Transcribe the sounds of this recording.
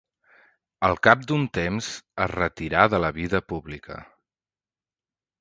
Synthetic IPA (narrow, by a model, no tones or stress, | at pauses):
əlˠkap̚d̪unt̪emzə̰zrət̪iɾaðələβiðəpuβlikə̰